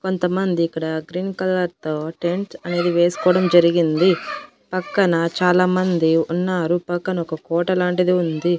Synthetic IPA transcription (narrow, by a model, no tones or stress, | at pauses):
ko̞nt̪ɐmɐnd̪iːkːɐɽɐɡɾiːnkɐlːɐɾt̪o̞ːʈe̞ɳʈsɐne̞ːd̪iʋe̞ːsu̥kɔːɐɽɐmd͡ʒɐɾiɡind̪i | pɐkːɐnɐt͡ʃaːlaːmɐnd̪iunːaːɾupɐkːɐnɐɔkɐkɔːʈɐlaːɳʈid̪iund̪i